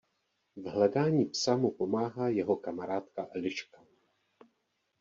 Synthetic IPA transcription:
vɦlɛdaːɲiːpsamupo̞maːɦaːjɛɦo̞kamaɾaːt̪kaʔɛlɪʃka

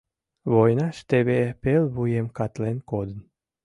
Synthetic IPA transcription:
βojnɑʃt̪eβepelβujemkɑt̪lenkod̪ən

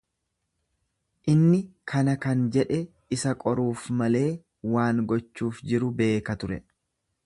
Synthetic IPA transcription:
ʔɪnːɪkʰɐnɐkɐnd͡ʒɛᶑɛ | ɪsɐkʼɔɾuːfmɐle̞ː | waːŋɡɔt͡ʃːuːfd͡ʒɪɾʊbe̞ːkɐt̪ʊɾɛ

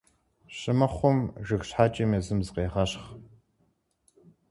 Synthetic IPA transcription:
ɕʼɪmɐχʷʊmʒɨxɕħaːt͡ʃʼimezɨmzɨqeːʁɐɕχ

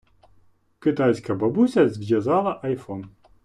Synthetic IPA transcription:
kɪt̪ajsʲkɐbɐbusʲɐzʲvʲjʲɛzɑlˠɐʔɐjfɔn

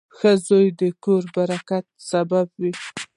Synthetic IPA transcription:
xəzojd̪əkoɾbaɾakat̪̚sababwi

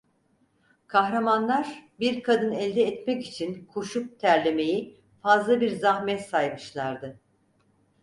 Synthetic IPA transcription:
kʰaɦɾamanlˠaɾbiɾkʰad̪ɯnɛlʲd̪ɛːt̪mɛcit͡ʃʰinkʰoʃup̚t̪ʰæɾlʲeme̞ji | fazlˠabiɾzahmɛt̪sajmɯʃlˠaɾd̪ɯ

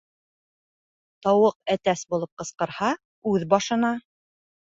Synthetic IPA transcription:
t̪ɑwɤq̚æt̪æsbulˠɤp̚qɤ̆sqɤ̆ɾhɑ | ʉðbɑʃɤ̆nɑ

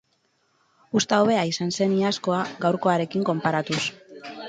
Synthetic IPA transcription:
ust̪aoβe̞aisanse̞niasko̞aɡawɾko̞aɾe̞kiŋko̞mpaɾat̪us

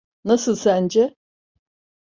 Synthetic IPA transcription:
nasɯlˠsænd͡ʒɛ

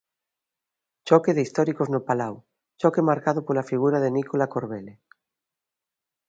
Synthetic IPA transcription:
t͡ʃɔkeðeist̪ɔɾikoznopalaw | t͡ʃɔkemaɾkaðopolafiɣ̞uɾaðenikolakoɾβele

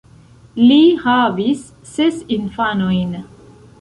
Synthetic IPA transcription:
lihavisː | esinfanojn

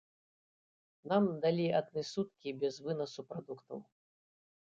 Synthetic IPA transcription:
namd̪alʲiɐd̪nɨsut̪̚kʲibʲɛzvɨnɐsupɾad̪ukt̪ɐ̰w

